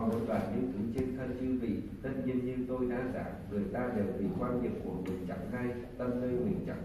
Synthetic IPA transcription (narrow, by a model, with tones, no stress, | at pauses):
ɓo˨˦laː˨˩ɲɨ̰˧˥ŋt̪ɨ˨˧˩ət͡ɕe˧nt̪ʰə˧nt͡ɕɨ˧vḭ˧˨t̪ʰə˦˥t̚ɲḭ˧nɲɨ˧t̪o˧jɗa̰ː˧˥za̰ː˧˩ŋɨ˨˩əjt̪aː˧ɗe˨˩wɓḭ˧˨kwaː˧nɲḭ˨˩p̚ku˧˩əmi˨˩əŋt͡ɕa̰˧˩ŋ͡mɦa˧j | t̪ə˧mnəː˧jmi˨˩əŋt͡ɕa̰˧˨˩